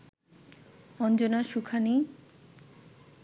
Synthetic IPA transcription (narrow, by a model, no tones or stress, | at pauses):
ɔnd͡ʑonaʃukʰani